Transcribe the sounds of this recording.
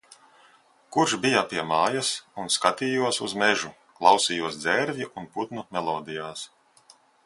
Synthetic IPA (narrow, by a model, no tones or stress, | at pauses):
kuɾʃbijapiɛmaːjasunskat̪iːjuɔsuzmɛʒu | klˠɑwsijuɔsd̪zɛɾvʲiʔunput̪numʲɛlˠɔːd̪ijaːs